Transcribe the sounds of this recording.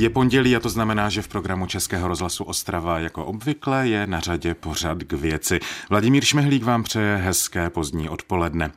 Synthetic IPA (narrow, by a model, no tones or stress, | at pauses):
jɛpo̞nɟɛliːat̪o̞znamɛnaːʒɛfpɾo̞ɡɾamut͡ʃɛskɛːɦo̞ɾo̞zɦlasuʔo̞st̪ɾavajako̞ʔo̞bvɪklɛːjɛnar̝aɟɛpo̞r̝at̪ɡvjɛt͡sɪvlaɟɪmiːɾʃmɛɦliːkvaːmpr̝̥ɛjɛɦɛskɛːpo̞zdɲiːʔo̞t̪po̞lɛdnɛ